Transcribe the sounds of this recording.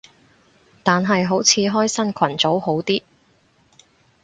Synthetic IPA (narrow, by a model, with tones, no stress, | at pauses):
t̪aː˨nɦɐ˨jɦo˨˥wt͡sʰiː˨˧ɦɔː˥jsɐ˥nkʰɐ˨˩nt͡so˨˥who˨˥wt̪iː˥